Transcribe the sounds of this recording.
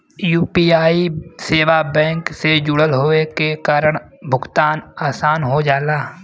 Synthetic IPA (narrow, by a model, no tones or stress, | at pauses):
juːpiːaːiseːʋabɛ̃ːŋksed͡ʒʊɽəlɦoːekekaːɾəɽ̃ | bʱʊɡt̪aːnaːsaːnɦod͡ʒaːlaː